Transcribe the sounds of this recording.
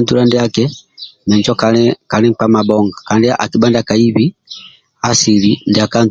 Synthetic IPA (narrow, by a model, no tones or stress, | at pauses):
ntulandiakɛmɛɲt͡ʃɔkaɛkalɛŋpamabɔŋɡakandiʔa̰kibandakaiβi | asilindiakan